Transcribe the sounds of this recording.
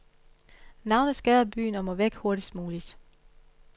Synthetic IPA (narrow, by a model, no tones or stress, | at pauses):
nɑ̈ʊnəsɡ̥æðˠɐb̥y̰ːnɒ̽mɔ̽ʋeɡ̥ho̝ɐɾisd̥muːlid̥